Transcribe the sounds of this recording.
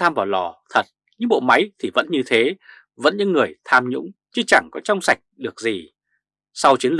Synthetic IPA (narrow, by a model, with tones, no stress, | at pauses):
aː˧mvaː˨˩wlɔ˧˩t̪ʰə˨˩t̚ | ɲɨ̰˧˥ŋɓo̰˧˨ma˨˦jt̪ʰi˨˩və̰˧˥nɲɨ˧t̪ʰe˨˦ | və̰˧˥nɲɨ̰˧˥ŋːɨ˨˩əjt̪ʰaː˧mɲʊ̰˧˥ŋ͡mt͡ɕɨ˧t͡ɕa˧˩ŋkɔ˨˦t͡ɕɔ˧wŋ͡msa˨˩jk̟̚ɗɨ˨˩ək̚zi˨˩ | sa˧wt͡ɕi˨˦ənlɨ˨˩